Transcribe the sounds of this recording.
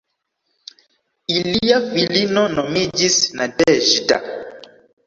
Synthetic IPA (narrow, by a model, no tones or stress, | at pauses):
ilijafilinɔnɔmid͡ʒisnadɛʒita̰